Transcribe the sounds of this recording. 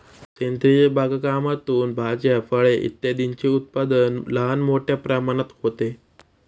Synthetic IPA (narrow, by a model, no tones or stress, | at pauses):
sent̪ɾiebʱaɡkamat̪uːnbʱad͡ʑafəɭeʔḭt̪ːjad̪iɲt͡ɕeut̪̚pad̪ənləɦanmoʈjapɾamaɽ̃at̪hot̪e